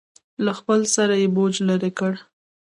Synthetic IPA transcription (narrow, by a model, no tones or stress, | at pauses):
laxpəlsaɾajebod͡ʒlaɾekəɽ